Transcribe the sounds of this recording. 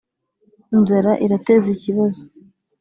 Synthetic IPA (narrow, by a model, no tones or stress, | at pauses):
inzeɾaʔiɾateziciβazo